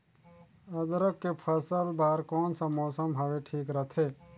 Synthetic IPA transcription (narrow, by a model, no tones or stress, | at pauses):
əd̪ɾəkːepʰəsəlbaːɾkɔːnsə̃mɔːsəmbʱabeʈʰiːkɾət̪ʰe